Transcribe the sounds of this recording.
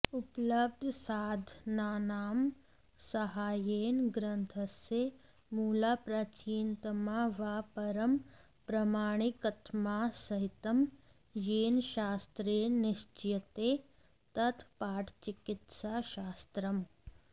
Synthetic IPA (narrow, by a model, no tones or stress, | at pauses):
uplɐb̚d̪ʱsaːd̪ʱnaːnaːm | sɐɦaːjeːnɡɾɐnt̪ʰɐsje | muːlaːpɾaːt͡ʃiːnt̪ɐmaːʋaːpɐɾɐm | pɾɐmaːɽ̃ikɐt̪ʰmaːsɐɦɪt̪ɐm | jeːnʃaːst̪ɾeːnɪʃt͡ʃjɐt̪eː | t̪ɐt̪ʰpaːʈʰt͡ʃɪkɪt̪saːʃaːst̪ɾɐm